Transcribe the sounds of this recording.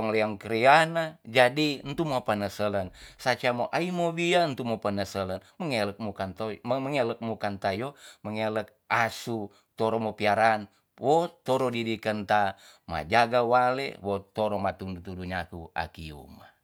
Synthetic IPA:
ɔŋleaŋkəɾianad͡ʒadint̪umapanəsələnsat͡ʃamoʔaimobiant̪umopənəsələnməŋɛlək̚mukant̪oməməŋelək̚mukant̪ajoməŋelək̚asu | t̪ɔɾɔmopiaɾan | wot̪oɾodidikənt̪ama̰d͡ʒaɡawalḛwot̪oɾɔmat̪undut̪uduɲakua̰kiṵma

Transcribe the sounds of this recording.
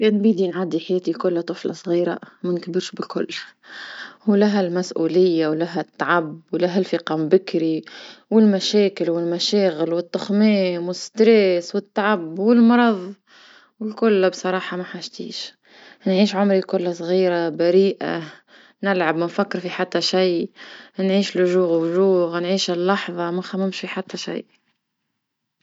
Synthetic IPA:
keːnbiːd̪inʕad̪iħajɛːt̪ikʊlːat̪ˤɨflɑ̰sˤɣiːɾa̰mankbɪɾʃbɪlkʊ̰lː | hulaɦalmasʔuːlɪjːawlaɦæt̪ːaʕabwlaɦælfiːqɑmbɪkɾiwɪlmaʃeːkɪlwɪlmaʃeːɣɪlwɪt̪ːʊxmiːmwɪst̪ɾeːswɪt̪ːaʕabːwɪlmɑɾˤɑðˤ | wɪlkʊlːbsˤɑɾˤɑːħɑmaħaʃt̪ḭːʃ | nʕiːʃʕʊmɾikʊlːsˤɣiːɾabaɾiːʔa̰ | nɪlʕabmæfakːɪɾfiħat̪ːaʃajnʕiːʃlʊʒuːɣwʒuːɣnʕiːʃɪlːɑħðˤɑmaxamːɪmʃfiħat̪ːaʃa̰jʔ

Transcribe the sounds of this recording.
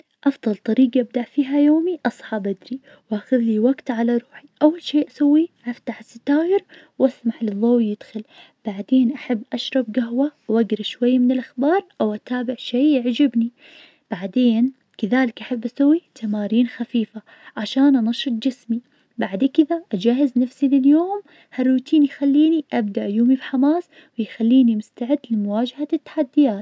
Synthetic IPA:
ʔɑfd̪ˤɑlt̪ˤɑɾiːɡaʔab̚d̪aʔfiːɦajoːmiʔɑsˤɑħabad̪ɾi | wʔaxʊðliwaɡt̪ʕalaɾˤuːħiʔawːalʃeːʔasawːiʔaft̪aħɪsɪt̪aːjɪɾwʔasmaħlɨðˤːoːwjɪd̪xʊl | b̥aʕd̪eːnʔaħabːʔaʃɾˤɑbɡaɦwawʔaɡɾɪʃwajːamɪnɪlʔaxbɑːɾˤʔawʔat̪aːbɪʕʃeːjɪʕd͡ʒɪbni | b̥aʕd̪eːn | kaðaːlɪkʔaħabːʔasawːit̪ʰamaːɾiːnxafiːfa | ʕaʃaːnʔanɑʃɨt̪̚ˤd͡ʒɪsmi | baʕd̪ekɪðaʔad͡ʒaːɦɪznafsilɪljoːm | harːuːt̪ʰiːnjxalːiːniʔabd̪aʔajuːmibħamaːs | wɪjxalːiːnimʊst̪aʕɪd̪ːlɪmʊwaːd͡ʒahat̪ːḁħad̪ːɪjaːt̪

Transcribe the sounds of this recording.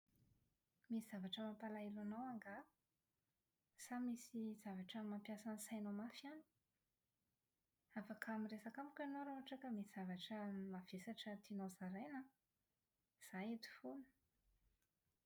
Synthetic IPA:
misiz̥avaʈ͡ʂəmapalailanawaŋɡa | samisiz̥avaʈ͡ʂəmampjasansajnomafiani̥ | afakʰamiresakamikʲanowɾaɦaʈ͡ʂakəmisiz̥avaʈ͡ʂəmavesaʈ͡ʂət̪inozaɾajna | z̥ajet̪u̥funə̥

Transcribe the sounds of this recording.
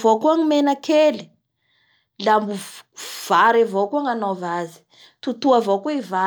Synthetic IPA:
vokuaŋimenakʰeli̥ | lambuv̥aɾavokuaŋanovazi̥ | t̪ut̪uavokuiva

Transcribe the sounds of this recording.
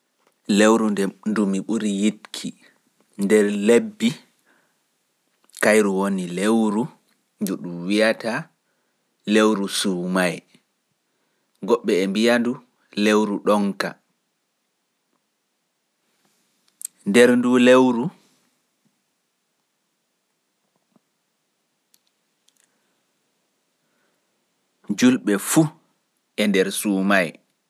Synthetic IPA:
lewɾundɛndumiɓuɾijitkʰi | ndɛɾlebːi | kajɾuwonilewɾu | ɲd͡ʒuɗumwijata | lewɾusuːmaj | ɡɔɓːɛːmbijandu | lewɾuɗɔŋka̰ | ndɛɾndulewɾu | d͡ʒulɓɛfu | ɛndɛɾsuːmaj

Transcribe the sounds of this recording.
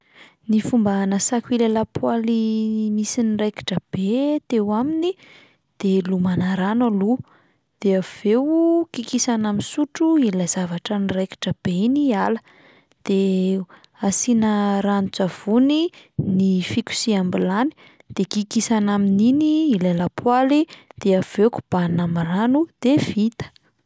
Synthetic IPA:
nifumbanasakʲilelapʰualimisinireki̥ʈ͡ʂəb̥et̪ewamini | d̪̥elumanaɾanalu | d̪̥eav̥ewkikisanaminsuʈ͡ʂuilaz̥avaʈ͡ʂənirejki̥ʈ͡ʂəb̥einialə | d̪̥e | asinəɾanut͡sav̥uninifikʲu̥siambilani̥ | d̪̥ekikisanamininiilelapwalid̪̥eavewku̥b̥anamaɾanud̪̥ev̥it̪ə̥

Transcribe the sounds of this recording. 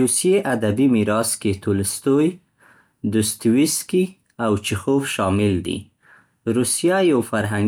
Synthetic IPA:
ɾusjeʔad̪abimiɾɑsket̪ulɪst̪oj | d̪ʊst̪wiski | awt͡ʃɪxofʃɑmɪld̪ḭ | ɾusijajawfaɾɦaŋ

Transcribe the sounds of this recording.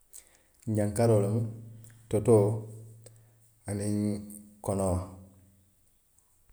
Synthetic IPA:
ɲɟaŋkaɾolamtoto | aninkonow

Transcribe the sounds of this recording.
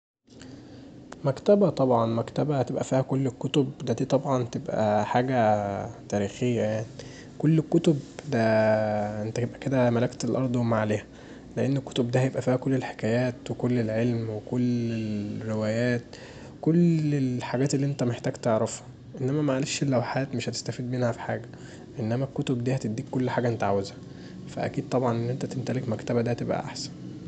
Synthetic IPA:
mækt̪æbæt̪ˤɑbʕɑnmækt̪æbæt̪ebʔæfiːhækolːekːot̪obd̪æd̪iːt̪ˤɑbʕɑnt̪ebʔæ̰ħaːɡæt̪æːɾiːxejːæjaʕni | kolːekːot̪obd̪æ | ʔent̪ækebʔæked̪æmælækt̪elʔɑɾˤd̪ˤwemaʕaleːhæ | leʔenːekːo̥t̪obd̪æhjebʔæfiːhækolːelħe̥kæːjæːt̪wekolːelʕelmwekolːeɾewæːjæːt̪̚ | kolelħaɡæːt̪elːiːʔent̪æmeħt̪æːɡt̪eʕɾˤɑfhɑ̥ | ʔenːæmæmæʕaleːʃlːæwħaːt̪meʃhæt̪e̥st̪æfiːd̪menhæfi̥ħaːɡæ | ʔenːæmækːot̪obd̪iːhæt̪ed̪ːiːkkːolːħaːɡæʔent̪æʕawezhæ | fæ̰ʔæ̰kiːd̪̚t̪ˤɑbʕɑnʔenːʔent̪æt̪emt̪ælekmækt̪æbæd̪æhæt̪ebʔæ̰ʔa̰ħsæ̥n

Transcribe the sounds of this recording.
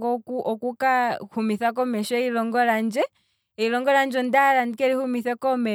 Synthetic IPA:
ɡɔkuʔɔkukahumiθak̬ɔmɛʃɔɛilɔŋɡɔland͡ʒɛ | ilɔŋɡɔland͡ʒɔndalanikɛlihumiθɛkɔmɛ

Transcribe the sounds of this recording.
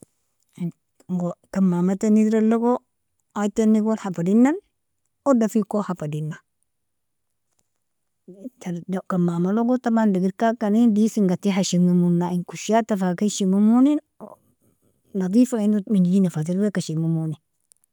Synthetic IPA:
ɡokamːamatanidɾaloɡo | atanːiɡolhapadinːan | odafikohafadinːa | tadkamːamaloɡotabandiɡiɾkakanindisiŋɡatiɦaʃiŋumunːaiŋkuʃatafakaʃimumunin | nɐd̪ˤifainumind͡ʒid͡ʒinafat̬iɾbekaʃimumuni

